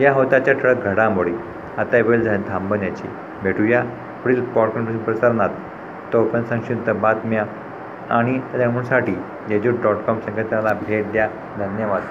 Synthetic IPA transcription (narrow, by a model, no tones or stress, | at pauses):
jaɦot̪at͡ɕjaʈʰəɭək̚ɡʱəɽamoɽi | at̪aeʋeld͡zaed̪ʱãmbənjat͡ɕḭ | bʱeʈʰuja | puɽit̪ut̪pɔɽkənəsunpɾəsəɾnat̪ | t̪ːɔpənsə̃ŋɕint̪əbat̪mja | aɽ̃id̪emunsaʈiː | d͡ʑed͡ʑuʈɖɔʈkɔmsə̃ŋkʰət̪jalabʱeʈd̪ja | d̪ʱənjəʋad̪